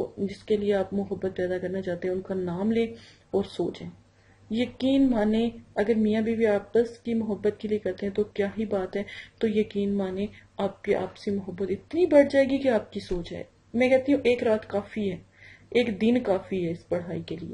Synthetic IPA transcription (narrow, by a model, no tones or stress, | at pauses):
od͡ʒɪskelieaːpmʊɦəbːət̪̚pɛːd̪akɐɾnat͡ʃaːt̪eɦɛ̃ʊnkanaːmleː | ɔːɾsoːt͡ʃẽː | jɐkiːnmaːnẽɐɡəɾmiːjabʱibiaːpəskimʊɦəbːət̪̚keliekɛɾt̪eɦɛ̃t̪okjaːɦibaːt̪ɦɛːt̪ojɐkiːnmaːnẽaːp̚keʔa̰ːpsimʊɦəbːət̪ɪt̪niibɐɽd͡ʒaːeːɡikeaːp̚kisoːt͡ʃɦɛ̰ː | mɛ̃kɛɦt̪iɦũʔeːkɾaːt̪kaːfiɦɛː | eːkd̪ɪnkaːfiɦɛɪspɐɽ̤aːikeliḛː